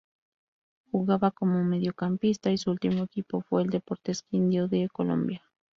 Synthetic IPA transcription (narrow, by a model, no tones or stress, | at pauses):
xuɣaβakomomeðjokampist̪aisuult̪imoekipofweeld̪epoɾt̪eskind̪joðekolo̰mbja